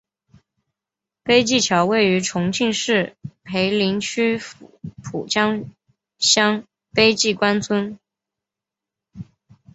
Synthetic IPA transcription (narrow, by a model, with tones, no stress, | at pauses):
pe˥ɪt͡ɕi˥˩t͡ɕʰjɑ˧˥ʊwe˥˩ɪy˧˥ʈ͡ʂʰʊ˧˥ŋt͡ɕʰi˥˧ŋʂɻ̩˥˩pʰe˧˥ɪli˧˥ŋt͡ɕʰy˥pʰu˨˩t͡ɕjɑ˥ŋ | ɕjɑ˥ŋ | pe˥ɪt͡ɕi˥˩kwa˥nt͡sʰwə˥n